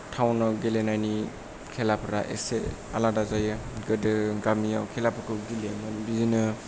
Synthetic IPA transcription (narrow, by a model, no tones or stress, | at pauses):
tʰawnaɡelenajni | kʰelapʰɾa̰ʔḛse | a̰ladazajɯɡɯdɯɡamijawkʰelapʰɯkʰɯɡilemɯnbizinɯ